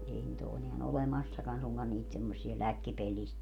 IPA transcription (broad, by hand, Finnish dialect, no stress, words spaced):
ei nit o eneæn olemɑsːɑkɑn suŋkɑn niːt semːosˑiɑ lækːipelːist